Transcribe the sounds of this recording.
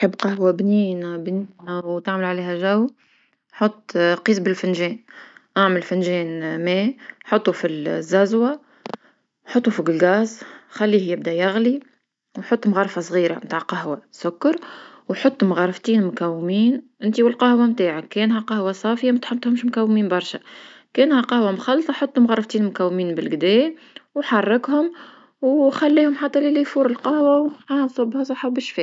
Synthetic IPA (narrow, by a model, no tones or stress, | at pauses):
ħɪbːqɑhwabniːnæbniːnæwt̪aʕməlʕaleːɦæʒæwː | ħot̪ˤːqiːsbɪlfɪnʒɛːnʔaʕməlfɪnʒɛːnmɛːħʊt̪ˤːufizːæzwa | ħɑt̪ˤːufiɡɪlɡaːzxælːiːhjɪb̚d̪æjaɣli | wħʊt̪ˤːmɣɑrˤfɑsˤɣiːɾa̰mt̪aːʕqɑɦwasʊkːɑɾˤ | wħot̪ˤːʊmɣɑrˤɑft̪iːnmʊkæwːmiːnʔɪnt̪iwɪlqɑhwamt̪aːʕakːɛːnɦæqɑhwasˤɑːfəjamæt̪ħʊbt̪ːˤhʊmʃmʊkæwːmiːnbɑɾˤʃækɛːnhæqɑhwamxɑlːsˤɑħot̪ˤːʊmɣɑrˤːɑft̪iːnmʊkæwːmiːnbɪlɡd̪ɛː | wħɑrˤːɑkhʊm | wxælːiːhʊmħat̪ːɑlɪlijfuːɾɪlqɑhwawʕasˤɑbːhasˤɑħabɪʃfiː